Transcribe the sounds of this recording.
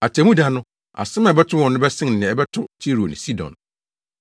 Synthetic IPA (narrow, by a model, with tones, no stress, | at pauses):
a˨tʰɛ˨mũ˦da˨˦nʊ̃˦ | a̰˨sɪ̃˦mã˨bɛ˦tʰʊ˦wɔ̃˨n˨nʊ̃˦bɛ˦sɪ̃˦n˨nɪ̃˨ɛ˨bɛ˦tʰʊ˦tʰi˦ɾo˨nɪ̰̃˨si˦dɔ̰̃˨n